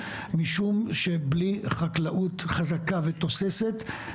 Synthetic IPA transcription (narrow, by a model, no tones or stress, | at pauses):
miʃumʃe̞bliχaklaʔut̪χazakavet̪o̞seset̪